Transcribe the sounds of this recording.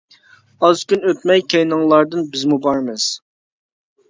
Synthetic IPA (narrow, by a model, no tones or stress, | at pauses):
ɑzkʲynøt̪mɛjkʲʰejnɨŋlˠɑɾd̪ɨnbɪzmubɑɾmɨz̥